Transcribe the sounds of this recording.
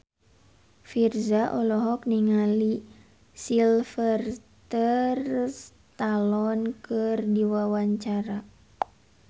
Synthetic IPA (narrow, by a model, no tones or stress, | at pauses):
firzaʔɔlɔɦɔk̚niŋali | silfərt̪ərs | t̪alɔnkɨrdiwawaɲt͡ʃaɾa